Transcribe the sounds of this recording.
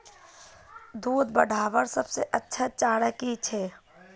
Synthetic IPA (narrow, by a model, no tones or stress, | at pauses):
d̪uːd̪bə̰ɖʱaːʋəɾsəbseʔətːʃʰət͡ʃaːɽəkit͡ʃʰɛː